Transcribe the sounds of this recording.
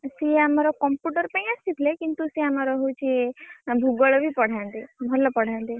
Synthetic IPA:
seamaɾɔkɔmpjuʈəɾpaj̃ast̪it̪ʰlekint̪useamaɾɔɦot͡ʃʰibʱuɡɔɭɔbʱipɔɽ̤ãnd̪ebʱɔlɔpɔɽ̤ãnd̪e

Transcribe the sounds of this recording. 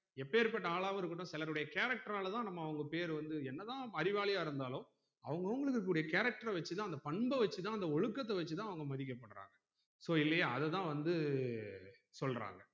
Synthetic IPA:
ɛpːeːɾp̬ɐʈːɐaːɭaːʋɐɪɾɯkːɯʈːõːsɪlɐɾɯɽɐjɐkeːɾɐk̚ʈɐɾaːlɐt̪ãːnɐmːɐːʋɐŋɡɐpeːɾʋɐnd̪ɯɛnːɐt̪ãːɐɾɪʋaːɭɪjaːɪɾɯnd̪aːlʊ̃ | ɐ̰ʋɐŋɡɐʋɐŋɡɐɭɯkːɯk̬ːɽɐjɐkeːɾɐk̚ʈɐɾɛʋɐt͡ʃːɯt̪ãːɐnd̪ɐpɐɳbɐʋɐt͡ʃːɯt̪ãːɐnd̪ɐɔɻɯkːɐt̪ːɐʋɐt͡ʃːɯt̪ãːɐʋɐŋɡɐmɐðɪk̬ʲːɐpːɐɽɾa̰ːŋɡɐ | soːɪlːɐjaɐðɛt̪ãːʋɐnd̪ɯ | sɔlɾa̰ːŋɡɐ

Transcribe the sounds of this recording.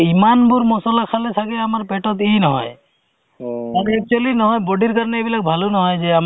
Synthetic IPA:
imanbuɾmɔsɔlakʰalesʰakeamaɾpeʈɔt̪inɔɦɔ̰j | aɾɛk̚t͡ʃualinɔɦɔjbɔɖiɾkaɾneːbilak̚bʱalunɔɦɔjd͡ʒeam

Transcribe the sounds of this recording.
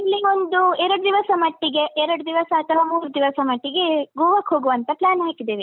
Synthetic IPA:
ilːio̞nd̪uɛɾɐɽud̪iʋɐsɐmɐʈːiɡe̞ʔɛɾɐɽud̪iʋɐsɐːt̪ʰɐʋaːmuːɾud̪iʋɐsɐmɐʈːiɡe̞ɡuːʋɐkɦoːɡuʋɐnt̪ɐplaːnɦaːkid̪eːʋe

